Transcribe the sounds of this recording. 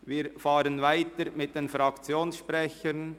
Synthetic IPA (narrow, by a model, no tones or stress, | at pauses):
viːɾfɑːɾənvaɪtəɾmɪt̚d̥enfɾɑkt͡sjoːnsʃpɾɛçən